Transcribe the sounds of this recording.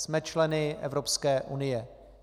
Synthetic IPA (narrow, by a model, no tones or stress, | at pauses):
smɛt͡ʃlɛnɪʔɛ̰vɾopskɛːʔunɪjɛ